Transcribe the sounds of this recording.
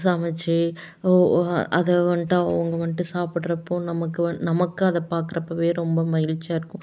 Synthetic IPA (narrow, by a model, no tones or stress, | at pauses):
saːmɐt͡ʃːɯ | ʔɐ̰ðɛʋɐɳʈaɐʋɐŋɡɐʋɐɳʈːɯsaːpɪɽɾɐpːoːnɐmɐkːɯɐnɐmɐkːɯɐðɐpaːɾkɯɾɐpːɐːʋeːɾɔmbɐmɐjɪlt͡ʃːaːɪɾɯkːʊ̃